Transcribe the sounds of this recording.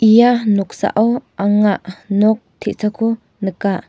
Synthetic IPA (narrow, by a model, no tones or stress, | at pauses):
ʔijanɔk̚sa̰ʔɔwʔaŋaʔnɔk̚t̪ʰɛʔsakʰu | nəkaʔ